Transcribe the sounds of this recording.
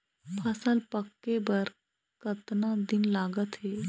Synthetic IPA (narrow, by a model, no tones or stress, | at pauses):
pʰəsəlpəkːebəɾ | kət̪nãːd̪ɪnlaːɡət̪ɦeː